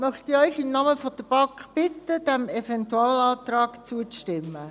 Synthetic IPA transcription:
mœχtiœʏçɪmnɑːməfɔd̥əb̥ɑŋkχb̥ɪtəd̥æmɛfɛntuɑːlɑːt̪ɾɑːkt͡suətɪmːə

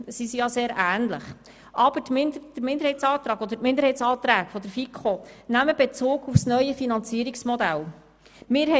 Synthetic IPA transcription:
sisijɑseːɾæːnlə̰χ | ʔɑb̥ətd̥ɾmɪnd̪əɾhɛɪt͡sɑːt̪ɾɑːɡɔd̪əɾtmɪnd̪əɾhɛɪtt͡ssɑːt̪ɾæːɡ̥fɔd̪əɾfikʰχonæməb̥et͡soːɡufsnœʏəfinɑnt͡siːəɾiksmɔd̪æl | mɪɾhɛ

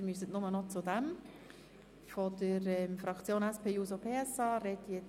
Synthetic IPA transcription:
mysətnʊmənɔt͡sʊdæm | fɔd̥əɾɛmfrɑkt͡sjoːnɛspʰeːjuːsopʰeːɛsɑːrɛdjɛ

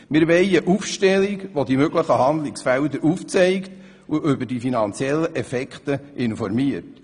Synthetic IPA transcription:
mɪɾʋɛjəʔufʃtɛliɡʋod̪imøɡləχəhɑnd̪lɪksfæld̪əɾʔuft͡sɛɪkt | uʔʏbəɾdifinɑnt͡sjɛlːəʔɛfɛkχt̪əʔɪnfɔrmiəɾt

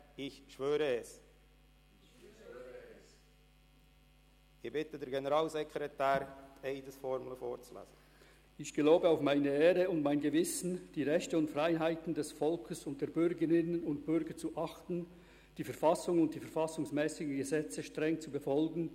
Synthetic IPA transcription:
ɪçʃvøːɾəɛs | ɪbɪtədəɾɡenəɾɑːlzɛkɾɛtæːɾteɪdəsfɔɾmləfo̰ːɾt͡slɛ̰ːz̥ə | ɪçɡ̥əloːbəaʊfmaɪnəeːɾəʊntmaɪnɡəvɪsn̩d̥iːʁɛçtəʊntfʁaɪɦaɪtn̩dɛsfɔlkʰəsʊnt̚d̥eːɐbʏɾɡəʁɪnənʊntb̥ʏʁɡət͡suʔɑχtn̩ | d̥iːfɛɐfasʊŋʊnt̚d̥iːfɛɐfɑsʊŋsmɛːsɪɡŋ̩ɡəzɛt͡səʃtʁɛŋt͡subəfɔlɡn̩

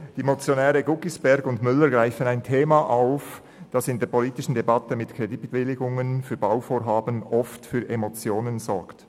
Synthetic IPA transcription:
d̥imot͡sjonɛːɾəɡʊkɪsb̥ɛɾɡʊndmʏlːəɾɡʁaɪfənaɪntʰeːmaʔaʊf | d̥ɑsɪndeːɐpʰoliːtɪʃn̩debɑtəmɪtkʰʁedit̚tvɪlɪɡʊŋənfyːɐbaʊfoːɾɦaːbənʔɔftfyːɾʔemot͡sjoːnənzɔɹkt

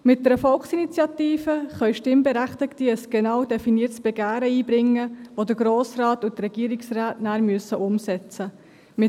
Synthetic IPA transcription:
mɪt̚dɛɾəfɔlksinit͡sjɑtiːfəχœʏʃtɪmbɛɾæχtɪktiəsɡ̥ɛnɑwdɛfiniːətsb̥ɛɡæːɾəiːbɾɪŋːəʋodəɡɾoːsrɑːtʊtrɛɡ̥iːəɾiksraːtnæːɾmyəsəʔʊmsɛt͡sə | mɪ

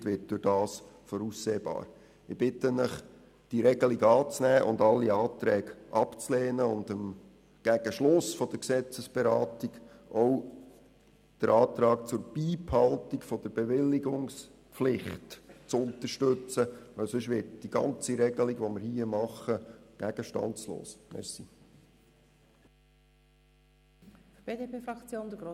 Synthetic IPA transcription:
tʋɪt̚d̥ʊɾd̥ɑːsfɔɾusːeːbɑ̰ːɾ | ɪb̥ɪtənəχ | d̥iɾɛɡ̥əliɡɑːt͡snæːʔʊ̰ndɑlːiɑːt̪ɾɛːɡ̥ʔɑpt͡slɛːnəʊnd̥əm | ɡ̥æɡ̥əʃlʊsfɔd̥əɾksɛt͡səsb̥ɛɾɑːtiɡʔɔw | d̥əɾɑːt̪ɾɑːkt͡sʊɾb̥iːphɑlˠtikfɔd̥əɾbeʋɪlːiɡʊŋspflɪχtt͡sʊntəʃtɵt͡səɛsɵʃ̬ʋɪt̚d̥iɡ̥ɑ̰nt͡siɾɛɡəliɡʋoməɾhiəmɑχəɡ̥æɡ̥əʃtɑ̰nslo̰ːsmɛ̰si | b̥eːdepeːfɾɑkt͡sjoːnd̪əɡɾo

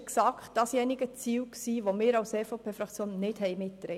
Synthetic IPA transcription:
ksɑktd̥ɑsjɛnɪɡət͡siːwksiːʋomɪːɾɑʊsefoʊpʰeːfɾɑkt͡sjoːnnɪthɛɪmɪtːɾɛ̰

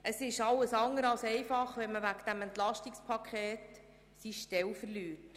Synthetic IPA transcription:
ʔəsɪʃɑlːəsɑŋəɾɑlsɛɪfɑχʋɛnməʋæɡd̪̥æmɛntlɑʃtikspʰɑkʰχeːt | siʃtɛlfərlyːrt

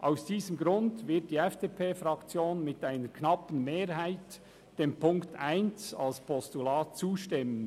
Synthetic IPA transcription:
ʔaʊsd̥iːzəmɡɾʊndvɪɐt̚d̥iːɛfd̥eːpʰeːfɾɑkt͡sjoːnmɪtaɪnəɾkʰnɑpən̩meːɾɦaɪt | d̥eːmpʰʊŋktaɪnt͡sɑ̰lspʰɔstulaːt̚t͡suːʃtɪmən

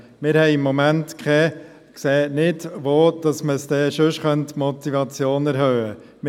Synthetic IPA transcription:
mɪːɾhɛɪɪmːɔmæntkχɛ | kseːnɪdʋoːd̥ɑsməsd̥ɛːʃɵʃχœntmɔt̪ivɑt͡sjoːnæɾɦœːə | m

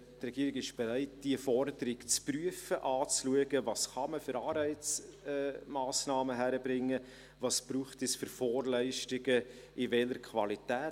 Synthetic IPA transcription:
trɛɡ̥iəɾɪɡɪʃb̥eɾæɪt̚d̥iəfɔɾdəɾɪkt͡spryəfəʔɑːt͡sluəɡəvɑsχɑməfʏɾɑːɾɛɪt͡sɛmɑːsnɑːməɦæɾəbɾɪŋːə | vɑsb̥ɾuːχtɛsfʏɾfɔːrlɛɪʃtɪɡə | ɪvɛləɾkʰvɑlitɛː

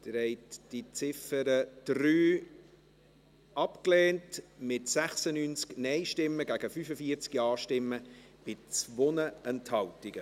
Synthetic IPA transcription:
d̥̪əɾɛɪtd̥it͡sɪfəɾəd̥ɾyː | ɑpkleːntmɪtsæχsənyːnt͡sknɛɪʃtɪmːəɡæɡ̥əfyfəfiəɾt͡skiɑːʃtɪmːə | b̥ɪt͡svonəɛnthɑwtɪɡ̥ə

